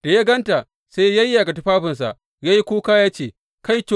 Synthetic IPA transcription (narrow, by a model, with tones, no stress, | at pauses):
d̥a˨ja˦ɡɐ˦nta˨ | sa˦jja˦jːa˨ɡa˨tu˦ɸaː˦ɸɪ˨ns̬a̰˨ʔ | jaː˦ji˦kʷuː˦kaː˦jaː˦t͡ʃeː˨ | ka˦jto˦